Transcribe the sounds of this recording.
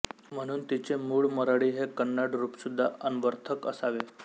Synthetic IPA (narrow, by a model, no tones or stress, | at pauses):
m̤əɽ̃uːnt̪it͡ɕemuːɭməɾaɽiːɦekənːaɽɾuːpsud̪ʱːaʔənʋəɾt̪ʰəkə̰saʋe